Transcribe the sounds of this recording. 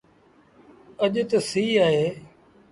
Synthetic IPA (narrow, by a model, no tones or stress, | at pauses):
əʄt̪əsiːaːɦeː